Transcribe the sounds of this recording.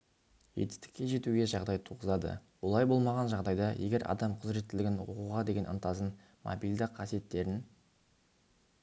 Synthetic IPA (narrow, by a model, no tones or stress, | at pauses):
ʒet̪ɪ̥st̪ɪ̥kʲːe̞ʒe̞t̪uɡʲe̞ʒɑʁd̪ɑjt̪ʰuʁəzɑd̪ə̰wo̞lˠɑjbo̞lˠmɑʁɑnʒɑʁd̪ɑjd̪ɑjʔe̞ɡʲe̞ɾʔɑ̰d̪ɑmqʰʊzɾe̞t̪ːɪlɪɡʲɪnwo̰quʁɑd̪e̞ɡʲe̞nə̰nt̪ɑzən | mʔo̰bijld̪ɪqʰːɑsije̞t̪ːe̞ɾɪn